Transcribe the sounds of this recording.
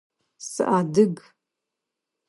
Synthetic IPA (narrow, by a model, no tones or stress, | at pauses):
sɨ̰ʔadɨɡ